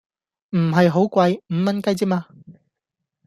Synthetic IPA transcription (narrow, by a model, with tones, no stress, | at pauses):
m̩˨˩ɦɐ˨jɦo˨˥wkʷɐ˧jm̩˨˧˥mɐ˥nkɐ˥jt͡siː˥maː˧